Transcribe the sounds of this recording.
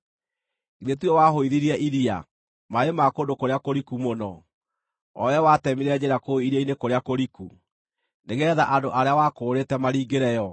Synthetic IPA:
iðetwɔwaɦoiðiɾiɛʔiɾia̰ | maemakondokoɾeakoɾikumonɔ | ɔ̰jɛwatɛmiɾɛd͡ʑeɾakoiɾiɛinekoɾeakoɾiku | neɣɛðaʔadoʔaɾeawakoːɾetɛmaɾiːɡeɾɛjɔ

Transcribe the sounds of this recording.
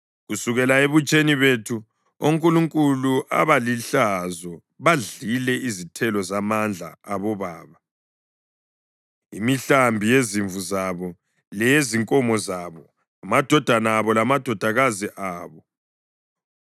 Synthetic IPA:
ɣusuɣɛlaeβut͡ʃʼeniβetʰu | oŋkʼuluŋkʼuluʔa̰βaliɬazɔ | βaɮilɛizitʰɛlɔzamand͡ɮʱa̰ːβɔβaːβa | imiɬambʱijeziɱvuzaβɔ | lɛjeziŋkʼɔmɔzaβɔ | amad̥ʱɔd̥ʱanaːβɔlamad̥ʱɔd̥ʱaɣaziʔaːβɔ

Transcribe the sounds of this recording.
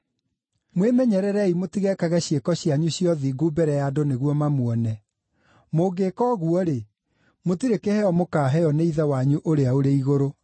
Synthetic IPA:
mwemɛɲɛɾɛɾɛimotiɣɛkaɣɛɕjekɔɕjaɲuɕiɔðiɡubɛɾɛjadoneɣwɔmamwɔnɛ | moɡeːkɔːɣuɔɾe | motiɾekehɛɔmokaːɦɛjɔneiðawaɲuʔoɾeaoɾeiɣoɾo

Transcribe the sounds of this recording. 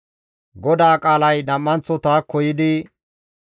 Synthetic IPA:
ɡɔd̪aːkʼaːlɐjdɐmːɐnt͡sːɔt̪aːkɔjɪd̪ɪ

